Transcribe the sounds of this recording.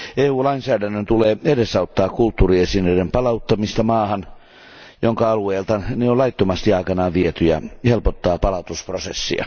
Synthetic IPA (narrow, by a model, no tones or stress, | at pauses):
eːuːlɑinsæːdænːønt̪uleːedesɑut̪ːɑːkkult̪ːuːriesinøidempɑlɑut̪ːɑmist̪ɑmɑːhɑn | joŋkɑɑlueːlt̪ɑneolɑit̪ːomɑst̪iɑikɑnɑːʋiet̪yjɑ̰helpot̪ːɑːpɑlɑt̪usprosḛsːḭɑ̰